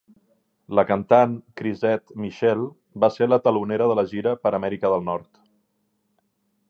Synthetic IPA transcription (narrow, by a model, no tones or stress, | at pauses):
ləkənt̪ankɾizɛt̪miʃɛlˠ | baseɾlət̪əluneɾəðələʒiɾəpəɾəmɛɾikəðəlˠnɔɾt̪